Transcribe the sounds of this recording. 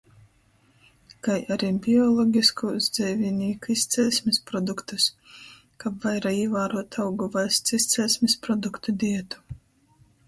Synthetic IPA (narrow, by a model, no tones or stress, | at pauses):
kajaɾibʲiɔlˠɔɡʲiskuzd̪zʲɛjvʲinʲiːkuist̪sʲɛlʲsʲmʲispɾɔd̪ukt̪us | kapvajɾaiɛvaːɾuɔt̪ʰawɡuvajst̪sist̪sɛlʲsʲmʲispɾɔd̪ukt̪ud̪ʲiɛt̪u̥